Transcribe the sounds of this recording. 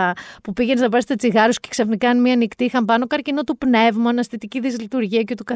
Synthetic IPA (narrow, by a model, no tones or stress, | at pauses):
ɐpupiʝenesnɐpɐst̪et͡siɣɐɾosce̥ksɐfnikɐnmiɐnikt̪iixɐmpɐno̞kɐɾcinot̪upne̞vmɐɐnɐst̪it̪iciðizlit̪uɾʝiɐcet̪ukɐ